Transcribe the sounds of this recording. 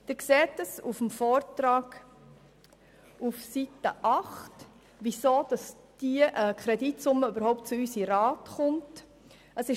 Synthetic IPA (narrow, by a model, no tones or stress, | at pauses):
d̥ɪɾkseːtəsufmfɔːɾtɾɑːɡ̥ | ufsitəʔɑχt | ʋisoːd̥ɑs | d̥iəʔəkʰɾɛditsʊmːəybəɾhɔʊp̚t̚t͡sʊysiɾɑːtχʊnt | əsɪ